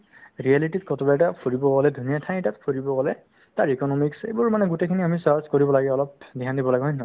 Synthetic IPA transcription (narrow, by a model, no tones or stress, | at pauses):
ɹialititkɔtɔbaɛtapʰoɹibɔɡɔlɛdʱunijatʰãj̃tatpʰoɹibɔɡɔlɛ | taɹikɔnɔmiksḛbuɹmanɛɡutekʰiniamisaɹskoɹibɔlaɡɛɔlɔp̚diɦandibɔlaɡɦɔ̃jnɔ